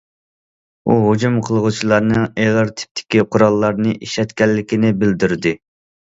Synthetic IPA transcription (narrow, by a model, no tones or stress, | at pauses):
uɦud͡ʒumqʰəlˠʁʊt͡ʃʰilˠɑɾnɨŋeʁɑɾt̪ʰɪ̥p̚t̪ʰɪ̥kʲiqʰʊɾɑlˠːɑɾnɨʔiʃɛt̪kʲɛlːɪkʲɪnɪbɪld̪yɾd̪ɪ